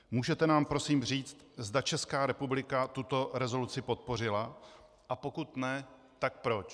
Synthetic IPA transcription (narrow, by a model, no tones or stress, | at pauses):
muːʒɛt̪ɛnaːmpɾo̞siːmr̝iːt͡st̪̚zdat͡ʃɛskaːɾɛpublɪkat̪ut̪o̞ɾɛzo̞lut͡sɪpo̞t̪̚po̞r̝ɪla | ʔapo̞kut̪nɛ | t̪ak̚pɾo̞t͡ʃ